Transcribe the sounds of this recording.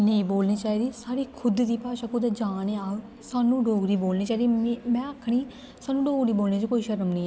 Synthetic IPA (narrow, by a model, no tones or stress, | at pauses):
nəĩːboːlniːt͡ʃaːiːd̪iːsaːɾiːkʰʊd̪d̪iːpaːʃaːkʊd̪aːd͡ʒaːneːaː | saːnũːɖoːɡɾiːboːlniːt͡ʃaːiːd̪iːmɛ̃ːəːkʰːɽ̃iː | saːnũːɖoːɡɾiːboːlneːd͡ʒekoːiːʃəɾəmnə̃ːɛː